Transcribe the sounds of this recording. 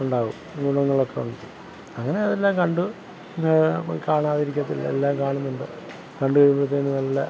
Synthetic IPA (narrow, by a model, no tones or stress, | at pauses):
uɳɖaːɣumɡuɳɐŋːɐɭo̞kːeuɳɖɐtːɨ | ɐŋːɐne̞ɐðelːaːŋkɐɳɖu | kaːɳaːðiɾikʲːɐt̪ːilːɐ̰elːaːmkaːɳunːuɳɖɨ | kɐɳɖuɣɐɻupːeɽut̪ːeːnːɨnɐlːɐ